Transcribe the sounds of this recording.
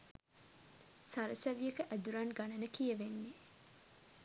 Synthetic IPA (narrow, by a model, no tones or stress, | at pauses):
saɾəsæʋijekəʔæd̪uɾɐnɡɐnɐnəkijəʋenːe